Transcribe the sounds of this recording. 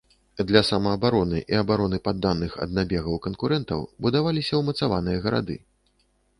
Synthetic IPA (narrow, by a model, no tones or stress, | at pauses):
d̪lʲɐsɐmɐːbaɾɔnɨ̰ʔiɐbaɾɔnɨpad̪ːanːɨxɐ̰d̪nabʲɛɣɐwkɐnkuɾɛnt̪ɐ̰wbud̪avalʲisʲɐwmɐt̪savanɨjɐɣɐɾa̰d̪ɨ̰